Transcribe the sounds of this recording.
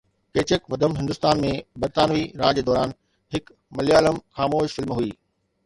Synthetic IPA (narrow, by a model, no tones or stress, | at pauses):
keːt͡ɕəkʋɐd̪əmɦɪ̃nd̪ʊst̪aːnmẽbɐɾt̪aːnʋiɾaːd͡ʑeːd̪ɔːɾaːn | hɪk | mɐliaːləmxaːmoːʃfɪlmɦuiː